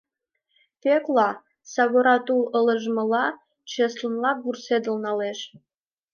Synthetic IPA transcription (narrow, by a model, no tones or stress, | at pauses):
teklˠɑ | sɑɣoɾɑt̪ulə̆lə̆ʒmə̆lɑ | t͡ɕeslə̆nlɑɡursed̪ə̆lnɑleʃ